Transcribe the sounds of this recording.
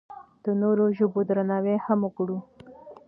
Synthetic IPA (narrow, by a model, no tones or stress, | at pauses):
d̪̥ənoɾoʒəbod̪ɾanawehamʊkɽu